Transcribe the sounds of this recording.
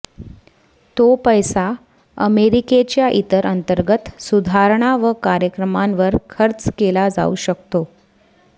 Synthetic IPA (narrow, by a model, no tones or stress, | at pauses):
t̪opəjsa | əmeɾiket͡ɕjaʔit̪əɾənt̪əɾɡət̪sud̪ʱaɾɳ̃aʋəkaɾjəkɾəmãnʋəɾkʰəɾt͡skelad͡za̰uɕəkt̪o